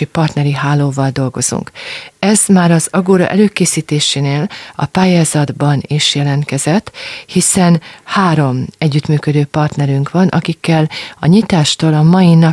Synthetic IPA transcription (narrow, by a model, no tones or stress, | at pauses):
ipɒrt̪nɛɾiɦaːlːoːvɒld̪o̞lɡo̞zṵŋkɛzmaːɾɒzɒɡoːɾɒ̰ʔɛløːkeːsiːt̪eːʃeːneːlɒ̰paːjaːzɒd̪bɒniʃjɛlɛnt̪kɛzɛt̪ːhisɛnhaːɾo̞mɛɟːyt̪myːkød̪øːpɒrt̪nɛɾyŋkʋɒnʔɒkikːɛlɒ̰ɲit̪aːʃt̪oːlɒmɒjinɒ